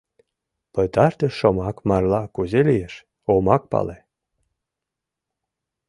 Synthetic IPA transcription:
pɤjt̪ɑʃt̪ʲeʃomɑkmɑrlˠɑkuzelʲijeʃ | omɑk̚pɑ̰le

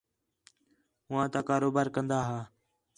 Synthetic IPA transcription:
ɦʊʋãːt̪ãːkaːɾoːbaːɾkənd̪aːɦaː

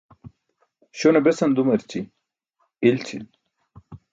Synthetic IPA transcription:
ɕonɐbesɐnd̪umɐɾt͡ɕʰi | ilt͡ɕʰḭl

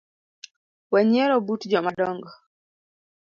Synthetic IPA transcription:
waɲɛɾɔbutd͡ʒɔmadɔŋɡɔ

